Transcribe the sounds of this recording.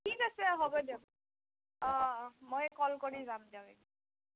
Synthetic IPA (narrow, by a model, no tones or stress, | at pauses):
tʰikasɛɦobɔdia | ɔ̃mojkɔlkoɹizamdiaeɡi